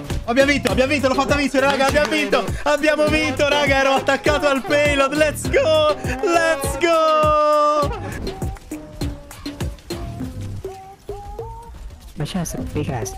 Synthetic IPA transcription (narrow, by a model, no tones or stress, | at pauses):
abjamvint̪oabːjamovint̪̬olofat̪ːamit͡ʃːeɾeɾaːɡaːbjamvint̪oabːjaːmovint̪oɾaːɡaɛːɾoat̪ːakːaːt̪oalpelod̪lɛt̪sɡolɛt̪sɡo | mat͡ʃɛsikɾɛ̰s